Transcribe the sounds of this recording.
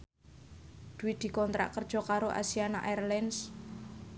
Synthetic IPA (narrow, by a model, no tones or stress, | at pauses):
d̪̥uwid̪̥i̤kɔnt̪ɾa̰ʔkərd̥ʒ̥ɔ̤kaɾoʔa̰siana̰ʔɛrlɛns